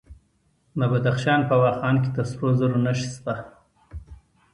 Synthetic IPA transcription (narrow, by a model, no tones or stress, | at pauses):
mabad̪axʃɑːnpəwɑːxɑːnk̬et̪əsɾozaɾonaʃi̥st̪a